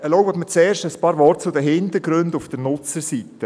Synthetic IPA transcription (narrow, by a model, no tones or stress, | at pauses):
ɛlɔwɔtmət͡seːɾʃtəspɑːɾvɔrtt͡sudəɦɪntəɾɡɾɵndufd̥əɾnʊt͡səɾsitə